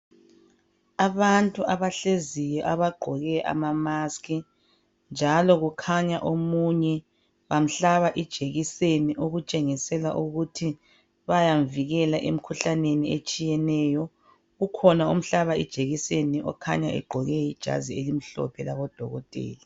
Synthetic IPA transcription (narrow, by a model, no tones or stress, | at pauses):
aβantʼuaβaɬezijɔʔaβaɡ͡ǃʱɔɣɛʔa̰mamaskʰi | nd͡ʒʱalɔɣukʰaɲaʔomuɲɛ | βam̩ɬaβaʔid̥ʒ̥ʱeɣiseniʔoɣut͡ʃʼeŋisɛla̰ʔuɣutʰi | βajamviɣɛlaʔem̩kʰuɬaneniet͡ʃʼijɛnɛːjɔ | ɣukʰɔnaum̩ɬaβaid̥ʒ̥ʱeɣiseniʔɔ̰kʰa̰ɲaʔɛ̰ɡ͡ǃʱɔɣɛjid̥ʒ̥ʱa̰zielim̩ɬɔ̰pʰɛlaβɔd̥ʱɔɣɔtʼḛːli